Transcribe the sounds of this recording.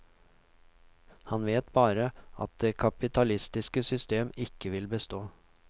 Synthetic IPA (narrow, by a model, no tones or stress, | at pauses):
hɑnʋeːt̪bɑːɾəɑ̰t̪̚d̪eːkʰɑpɪt̪ʰɑlɪst̪ɪskəsʏst̪eːmɪkəʋɪlbəst̪oː